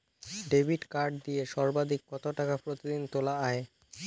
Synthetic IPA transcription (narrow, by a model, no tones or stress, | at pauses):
ɖebʱiʈkaɾɖ̚d̪ijeʃɔɾbad̪ʱikːɔt̪oʈakapɾot̪id̪int̪olaae